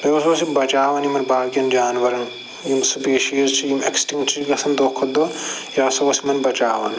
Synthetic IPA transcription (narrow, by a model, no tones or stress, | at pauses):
eɐsɐwɐsibɐt͡ʃaːʋɐnjimɐnbaːɡʲjɐnd͡ʒaːnʋɐɾɐn | jimsɨpeːʃiːzt͡ʃʰijimḛksʈĩŋt͡ʃʰiɡɐsɐnd̪oːkʰɐt̪̚d̪ojaːsɐwɐsimɐnbɐt͡ʃa̰ːʋɐ̰n